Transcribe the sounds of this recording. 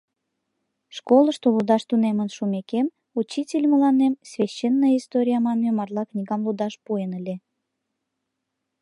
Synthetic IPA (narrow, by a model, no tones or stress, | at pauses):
ʃkolˠəʃt̪olud̪ɑʃt̪unemənʃumekem | ut͡ɕːitʲelʲməlɑnemsvʲeɕːenːəjəist̪oɾʲijɑmɑnmemɑrlˠɑknʲiɣɑmlud̪ɑʃpuenəlʲe